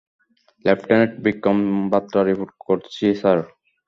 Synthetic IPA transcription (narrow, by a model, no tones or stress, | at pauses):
lɛpʈɛneʈ̚bikɔmbat̪ːɾaɾipuʈ̚koɾt͡ɕʰisaɾ